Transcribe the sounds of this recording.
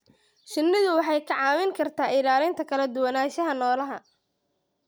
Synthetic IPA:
ʃɪnːɪðʊwɑħɑjkʰɐʕɑːmɪŋkʰɐrt̪ʰaːʔɪlaːlɪnt̪ʰɐkʰɐlɐd̪ʊwɐnaːʃɐɦɐnɔːlɐɦɐ

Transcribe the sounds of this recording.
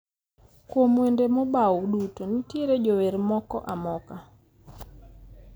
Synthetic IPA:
kwomwendemobawɗutonitjeɾed͡ʒoweɾmɔkɔ̰ʔamɔka

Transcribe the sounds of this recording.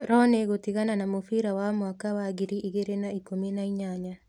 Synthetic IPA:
ɾɔneɣotiɣananamofiɾawamwakawaɡiɾiʔiɣeɾenaikominaiɲaɲa

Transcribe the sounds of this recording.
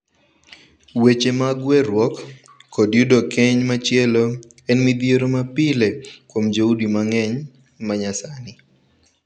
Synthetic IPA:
wet͡ʃemaɡwɛɾwɔkʰː | ɔdjudokɛɲmat͡ʃjɛlo | ɛnmid̪jeɾomapɪlekwomd͡ʒoudimaŋɛɲ | maɲasanɪ

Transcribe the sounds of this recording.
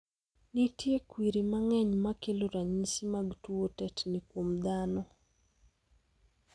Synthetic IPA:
nitjekwiɾimaŋɛɲmakeloɾaɲisimaɡtuotɛtnikwomd̪anɔ

